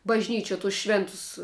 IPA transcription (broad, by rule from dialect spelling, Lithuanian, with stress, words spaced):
bɐʒʲˈnʲiːt͡ʃʲuɔ tʊs ˈʃʲʋʲeːntʊs